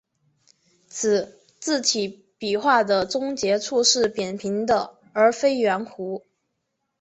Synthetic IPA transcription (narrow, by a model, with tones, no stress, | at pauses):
t͡sʰɹ̩˨˩˦ | t͡sɹ̩˥˩t͡ɕi˨˩˥ | pi˨˩xwa˥˩d̪ə˩t͡sʊ˥ŋt͡ɕjɛ˧˥t͡sʰu˥˧ʂɻ̩˥˩pjɛ˨˩npʰi˧˥ŋd̪ə˧ | ə˞˧˥fe˥ɪɥɛ˧˥nkʰu˧˥